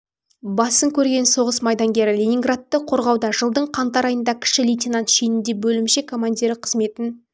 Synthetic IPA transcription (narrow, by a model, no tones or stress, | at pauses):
bɑsəŋkʲʰɵɾɡʲe̞nso̞ʁəsmɑjd̪ɑŋɡʲe̞ɾɪlʲenʲiŋɡrat̪ːəqʰo̞ɾʁɑwd̪ɑʒəlˠd̪əɴqʰɑnt̪ɑɾɑjənd̪ɑkʲʰɪ̥ʃɪlʲijtʲenant̪ʃejnɪnd̪e̞bɵlɪmʃe̞kʰomand̪ʲeɾɪqʰəzme̞t̪ɪn